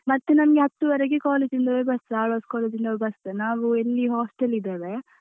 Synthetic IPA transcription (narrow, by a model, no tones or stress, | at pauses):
mɐt̪ːenɐmɐɡeɦɐt̪ːuʋɐɾeɡekaːleːd͡ʒind̪ɐʋebɐsaːɭɐskaːleːd͡ʒind̪ɐʋebɐsɐnaːʋuelːiɦaːsʈelid̪eːʋe